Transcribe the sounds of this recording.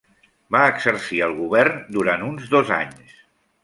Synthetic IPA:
baəkzəɾsiəlˠɣuβɛɾnd̪uɾant̪unzd̪ɔza̰ɲs

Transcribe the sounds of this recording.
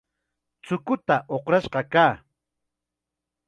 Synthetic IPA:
t͡sʊkʊt̪aʔoqɾaʃɢɑkaː

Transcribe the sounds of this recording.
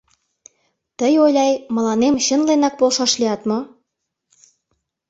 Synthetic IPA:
t̪əjojlʲɑjmɤ̆lɑnemɕə̆nlenɑk̚polʃɑʃliɑt̪mo

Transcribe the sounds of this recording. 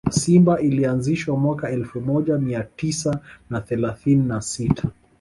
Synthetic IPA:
simbailianziʃwamwakaɛlfumɔʄamiatisanaθɛlaθininasitʰḁ

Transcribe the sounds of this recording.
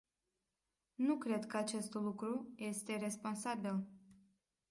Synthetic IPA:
nukɾe̞d̪kəat͡ʃe̞st̪lukɾuje̞st̪e̞ɾe̞spo̞nsabil

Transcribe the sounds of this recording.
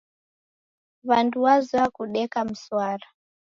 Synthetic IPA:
βantʰuwaziwakuɗɛkamuswaːra

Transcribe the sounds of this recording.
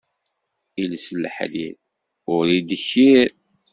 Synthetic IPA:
ilsəlːħlḭɾ | ʊɾid̪əçːiɾ

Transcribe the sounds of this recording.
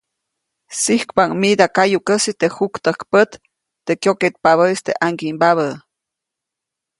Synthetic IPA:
sihkpaŋmid̪akajukəsit̪ehukt̪əkpət̪ː | ekjoket̪̚paβəist̪eʔaŋɡimbaβə

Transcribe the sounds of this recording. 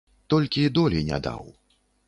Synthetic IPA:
t̪ɔlʲkʲid̪ɔlʲinʲa̰d̪a̰w

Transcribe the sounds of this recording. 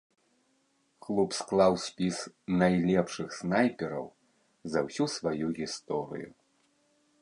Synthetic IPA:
klˠupsklˠawsʲpʲisnajlʲɛpʂɨxsnajpʲɛɾɐ̰w | zɐwsʲusvajuɣʲist̪ɔɾɨ̰ju

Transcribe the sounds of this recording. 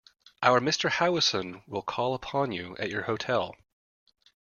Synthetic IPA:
ʔaʊə˞mɪstə˞haʊəsə̃nwɪlˠkʰɔlˠəpʰɑ̃njʉʔɨ̰t͡ʃə˞hoʊtʰɛlˠ

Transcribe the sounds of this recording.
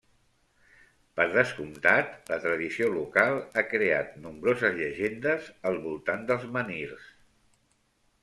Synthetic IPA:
pəɾðəskumt̪at̪lət̪ɾəðisiolukalˠakɾea̰t̪numbɾozəzʎəʒend̪əzəlˠβulˠt̪and̪əlˠzməniɾs

